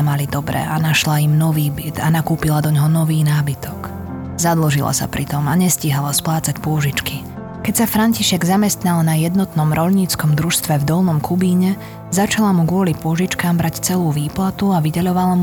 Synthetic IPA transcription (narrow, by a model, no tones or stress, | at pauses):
malid̪ɔbɾɛ̰anaʃlaimnɔʋiːbit̪anakuːpilad̪ɔɲɦɔnɔʋiːnaːbit̪ʰɔk | zad̪lɔʒila̰sa̰pɾit̪ɔmaɲɛsciɦalasplaːt͡sacpʊɔʒit͡ʃki | kɛcsafɾaɲciʃɛɡzamɛst̪nalnajɛd̪nɔt̪nɔmɾʔɔʎɲiːt͡skɔmd̪ɾuʃst̪ʋɛvd̪ɔlnɔmkʰubiːɲɛ | zat͡ʃalamuɡʊɔlipʊɔʒit͡ʃkaːmbɾʔact͡sɛluːʋiːplat̪uaʋiɟɛʎɔʋalam